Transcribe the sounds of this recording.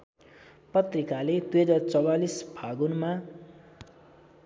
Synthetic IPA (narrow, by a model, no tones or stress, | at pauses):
pʌt̪rikaled̪uɦʌd͡zart͡sʌwalisbʱaɡunma